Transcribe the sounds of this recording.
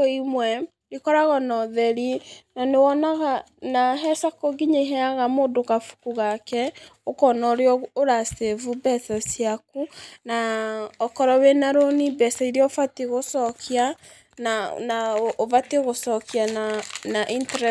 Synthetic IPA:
imwɛ | ɾikɔɾaɣɔnɔðɛɾinanewɔnaɣa | naɦɛsakoɡiɲeɦɛaɣamodokafu̥kuɣakɛokɔnɔɾeɔoɾasevubɛθɔsiakunaɔkɔɾɔwenaɾonibɛsaiɾeɔfateɣosɔkʰia | nanaovateɣosɔkiananaʔintɾ

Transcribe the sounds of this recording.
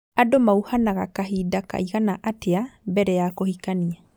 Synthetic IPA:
adomauhanaɣa̰kaɦidaka̰iɣanaʔateabɛɾɛjakohikania

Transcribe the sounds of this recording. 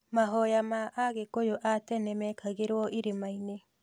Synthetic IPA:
maɦojamaʔaɡekojoʔaːtenemeːkʰaɡeɾooʔiɾemajne

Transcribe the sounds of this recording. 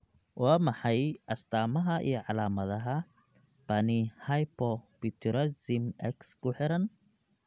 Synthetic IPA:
wʔɑːmɑħɑjʔɐst̪ʰaːmɐɦɐʔḭjɞʕɑlaːmɐðɐɦɐ | b̥ɐnɪhɐjpʰɔbit̪ʰʊɾɐsɪmɛkskʰʊħɪɾɐn

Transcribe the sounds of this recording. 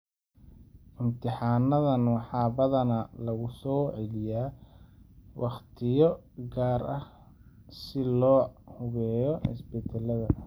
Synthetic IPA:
ʔɪmt̪ʰɪħɑːnɐðɐnwɑħɑːbɐðɐnɐlɐɣʊsɔːʕɛlɪjaː | wʔɑχt̪ʰɪjɔ | ɡaːɾɐh | sɪlɔːhʊɣɛːjɔʔɪ̰sbɛt̪ʰɛlɐðɐ

